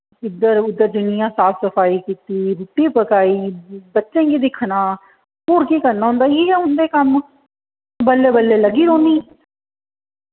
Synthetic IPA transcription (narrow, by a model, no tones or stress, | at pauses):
ɪd̪əɾʊd̪ːəɾd̪ʊnɪjãːsaːpʰsəfʰaːiːkiːt̪iːɾuːʈiːpəkaːiːbətːʃẽːkid̪ɪkʰnaː | oːɾkiːkəɾnaːɦʊ̃ːnd̪aːiɛʊnd̪eːkəm | bəlːeːbəlːeːləɡiːɾoːniː